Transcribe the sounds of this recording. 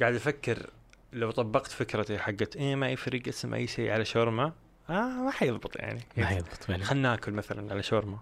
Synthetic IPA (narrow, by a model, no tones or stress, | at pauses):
ɡaːʕɪd̪ʔafakːɪɾ | lawt̪ˤɑbːɑqt̪fɪkɾˤɑt̪iħaɡːt̪ʔeːmaʔajːfaɾiːɡʔɪsmʔa̰jːʃḭːʕalaʃoːɾma | ʔamaħajɨðˤbɨt̪ˤja̰ʕnijɨðˤbʊ̥t̪ˤaxanːaːkʊlmaθalanʕalaʃoːɾma